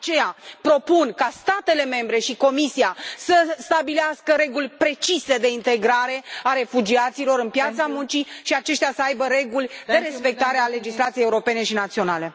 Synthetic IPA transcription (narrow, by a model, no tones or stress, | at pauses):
t͡ʃe̞japɾo̞punkast̪at̪e̞le̞me̞mbɾe̞ʃiko̞misiasəst̪abileaskəɾe̞ɡulʲpɾe̞t͡ʃise̞d̪e̞int̪e̞ɡɾaɾe̞aɾe̞fud͡ʒiat̪silo̞ɾɨnpjat̪samunt͡ʃiʃiat͡ʃe̞ʃt̪ɪasəajbəɾe̞ɡulʲd̪e̞ɾe̞spe̞k̚t̪aɾe̞ale̞d͡ʒislat̪sijejeuɾo̞pe̞ne̞ʃinat̪sio̞nale̞